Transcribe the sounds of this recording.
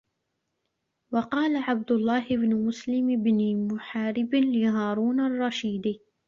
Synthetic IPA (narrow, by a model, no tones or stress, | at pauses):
wɑqɑːlaʕab̚d̪ʊlˤːɑːɦɪbnʊmʊslɪmɪbnimʊħaːɾɪblɪɦɑːɾˤuːnarˤːɑʃiːd̪i